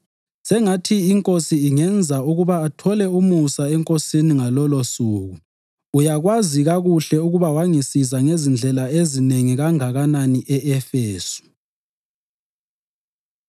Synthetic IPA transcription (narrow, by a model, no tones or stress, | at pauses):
sɛŋatʰiːŋkʼosiːŋɛnd͡zʱauɣuβaːtʰɔlɛumusaɛŋkʼosiniŋalɔlosuːɣuː | jaɣwaziɣaɣuɬɛuɣuβawaŋisizaŋezind͡ɮʱɛlaezineŋiɣaŋaɣananiʔɛʔɛfeːsu̥